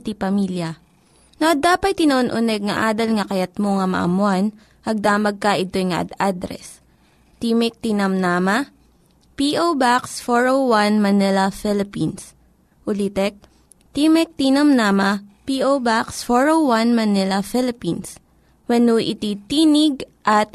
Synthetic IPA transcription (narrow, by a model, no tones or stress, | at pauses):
t̪ipɐmiljɐ | noʔɐd̪aːpɐt̪̚t̪ːɪnɐʔonʔʊnɛɡ̚ŋɐʔaːd̪ɐlŋɐkɐjɐt̪̚moŋɐmɐ̰ʔɐ̰mʊan | ɐɡ̚d̪aːmɐɡ̚kɐʔɪt̪ojŋɐ̰ʔɐ̰d̪ad̪ɾɛ̰s | t̪imɪk̚t̪inɐmnaːmɐ | piʔobaksfoɹowwanmɐnɪlɐfɪlɪpins | ʔʊlit̪ɛk̚ | t̪imɛk̚t̪inɐmnaːmɐpiʔowbaksfoɹowwanmɐnɪlɐfɪlɪpins | wɛnuʔɪt̪it̪iːnɪɡ̚ʔɐt̪̚